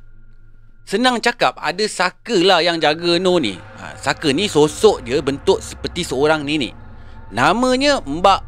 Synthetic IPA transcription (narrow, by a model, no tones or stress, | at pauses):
sənaŋt͡ʃakap̚a̰dəsakəlajaŋd͡ʒaɡənonḭa̰sakənisosɔʔdiəbənt̪ʊʔsə̥pərt̪isəoɾaŋninḭʔ | namə̃ɲə̃mbaʔ